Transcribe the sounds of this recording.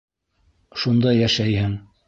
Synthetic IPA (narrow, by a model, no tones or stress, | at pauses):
ʃund̪ɑjæʃæjhɘŋ